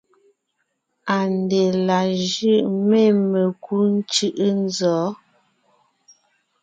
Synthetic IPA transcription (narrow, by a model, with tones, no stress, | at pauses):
a˨nde˨la˨ʒʉ˦˨me˦˨me˨ku˦n̩˦t͡ʃʉ˦ʔə˦n˦zɔː˨˦